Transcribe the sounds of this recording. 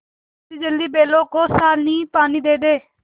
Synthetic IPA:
tiːd͡ʒəld̪iːbeːloːkoːsaːlniːpaːniːd̪eːd̪eː

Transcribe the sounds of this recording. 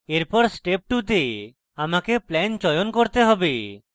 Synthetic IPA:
eɾpɔɾsʈep̚ʈut̪e | amakeplɛnt͡ʃɔjonkɔɾt̪eɦɔbe

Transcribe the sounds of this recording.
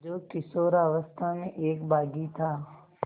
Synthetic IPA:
d͡ʒoːʈɪsoːɾaːʋəst̪ʰamẽʔeːkbaːɡit̪ʰaː

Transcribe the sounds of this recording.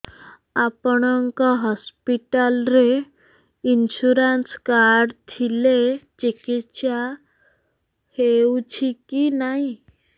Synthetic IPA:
apəɳəŋkaɦɔspiʈalɾe | inɕuɾanskaɾɖt̪ʰilet͡ɕikit̪ɕa | het͡ɕʰikinaɦi

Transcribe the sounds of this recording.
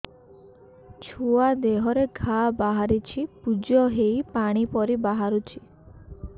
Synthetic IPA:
t͡ʃʰuad̪eɦɔɾeɡʱabaɦaɾit͡ʃʰipud͡ʒɔɦejpaɽ̃ipɔɾibaɦaɾut͡ʃʰi̥

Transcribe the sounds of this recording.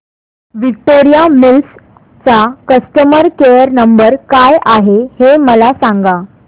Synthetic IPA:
ʋik̚ʈoɾijamils | t͡sakəst̪əməɾkejəɾnəmbəɾkajʔaɦeheməlasãŋɡa

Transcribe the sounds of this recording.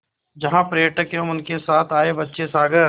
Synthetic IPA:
d͡ʒɐɦãpɾəjəʈəkjõʊnkesaːt̪ʰaːebɐtːʃesaːɡəɾ

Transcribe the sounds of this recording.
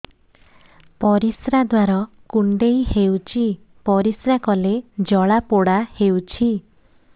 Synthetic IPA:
pɔɾisɾad̪waɾɔ | kuɳɖeihewt͡ʃʰi | pɔɾisɾakɔled͡ʒɔɭapoɽahewt͡ʃʰi

